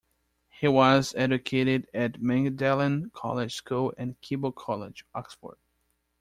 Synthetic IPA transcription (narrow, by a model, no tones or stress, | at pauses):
hiwʌzɛd͡ʒɨkʰeɪɾɪdɨtmæ̃ŋɡdɛlˠɨ̃nkʰɑ̰lˠɪ̥ʒ̥skulˠɨ̃nkʰibəl̩ˠkʰɑlˠɪd͡ʒɔksfə̰ɹd̥̚